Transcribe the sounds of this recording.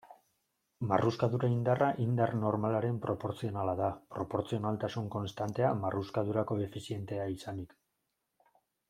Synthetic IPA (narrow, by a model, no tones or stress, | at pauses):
maruskaðuɾaind̪araʔind̪arno̞ɾmalaɾe̞mpɾo̞po̞ɾt͡sio̞nalaðapɾo̞po̞ɾt͡sio̞nalt̪asuŋko̞nst̪ant̪e̞amaruskaðuɾako̞efisie̞nt̪e̞aisanik